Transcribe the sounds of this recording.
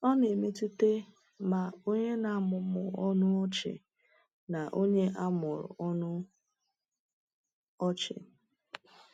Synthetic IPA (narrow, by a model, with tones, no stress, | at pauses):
ɔ˦ne˨me˦tɪ˦te˦ | ma˨o˦ɲe˦na˨˦˨mʊ˨mʊ˨ɔ˦nʊ˦ɔ˦t͡ʃɪ̰˨ | na˨ʔo˦ɲe˦ʔa˦mʊ˨ɾʊ̰˨ɔ˦nʊ˦ | ɔ˦t͡ʃɪ̰˨